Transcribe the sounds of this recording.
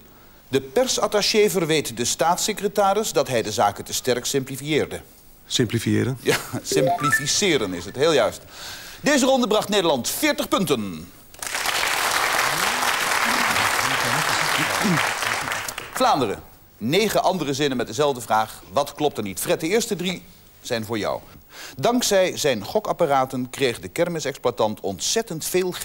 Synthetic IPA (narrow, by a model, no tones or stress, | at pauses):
dəpɛrsɑtaʃevərʋejtdəstaːtsekrətaːɾɪsdɑtɦɛjdəzaːkəntəstɛrksɪmplifiɪːɹdə | sɪmplifiɪ̰ːɾənjasɪmplifisɪːɾənɪsɦətɦɪːlˠjœɥstdejzərɔndəbrɑχtnejdəɹlɑntfɪːɹtəχpɵntən | flaːndərə̰ | nejχəʔɑndərəzɪnənmɛt̚dəzɛlˠvdəvraːχʋɑtklɔp̚təɹnitfrɛt̚dəɪːɹstədri | z̥ɛjnvʊːɹjɑ̰wdɑŋksɛjzɛjnχɔkɑparaːtənkrejχdəkɛɹmɪsɛksplatɑntʰɔntsɛtəntfeːlˠ